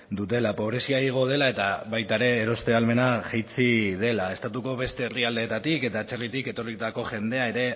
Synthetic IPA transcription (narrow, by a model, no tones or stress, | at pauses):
d̪ut̪e̞lapo̞β̞ɾe̞siaiɣ̞o̞ð̞e̞lae̞t̪aβajt̪aeɾe̞ːɾo̞st̪e̞alme̞naʝejt͡sið̞e̞lae̞st̪at̪uko̞βe̞st̪e̞ːriald̪e̞ːt̪at̪ike̞t̪aːt͡ʃerit̪ike̞t̪o̞rit̪ako̞ʝe̞nd̪e̞ae̞ɾe̞